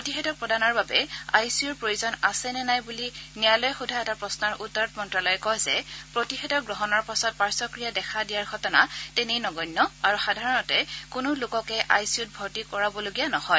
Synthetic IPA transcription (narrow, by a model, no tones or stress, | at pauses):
pɹotixɛtɔkpɹɔdanɔɹbabɛa̰jsiuɹpɹojuzɔnasɛnɛnajbulinijalɔjxudʱaɛtapɹɔsnɔɹʔutːɔɹɔtmɔntɹalɔjɛkɔjzɛ̰pɹotixɛtɔɡɹɔɦɔnɔɹpasɔt̚paɹsɔkɹijadɛkʰadijaɹɡʱɔtɔna̰tɛnejnɔɡɔjnːɔaɹuxadʱaɹɔnɔtɛkʊnʊlʊkɔkɛʔa̰jsiut̚bʱɔtikɔɹabɔloɡijanɔhɔj